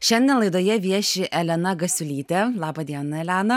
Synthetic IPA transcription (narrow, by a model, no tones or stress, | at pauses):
ʃʲɛnʲd̪ʲɛnlˠɐɪd̪oːjɛʋʲiɛʃʲɪʔɛlʲɛnɐɡɐsʲʊlʲiːt̪ʲɛlˠɑːbɐd̪ʲiɛnɐɛlʲæːnɐ